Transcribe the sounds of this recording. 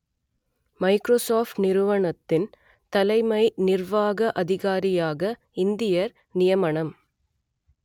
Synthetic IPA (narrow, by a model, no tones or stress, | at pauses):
mɐɪkɾoːsaːfʈnɪɾɯʋɐɳɐt̪ːɪn | t̪ɐlɐɪmɐɪnɪrʋaːɣɐʔɐðɪɣaːɾɪjaːɣɐ | ɪnd̪ɪjɐɾ | nɪjɐmɐɳɐm